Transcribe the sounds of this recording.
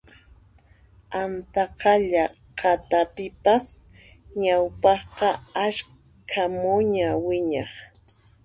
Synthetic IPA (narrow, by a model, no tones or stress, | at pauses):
ant̪ɑqɑʎa | qʰɑt̪apɪpas | ɲawpɑχqɑaʃ | kʰamʊɲawɪɲɑχ